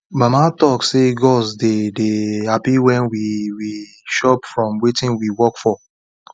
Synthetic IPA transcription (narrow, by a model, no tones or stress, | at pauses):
mamatɔkseɡɔsdedehapiwɛ̃nwiwi | ʃɔpfɹɔ̃mwetĩnwiwɔkfɔ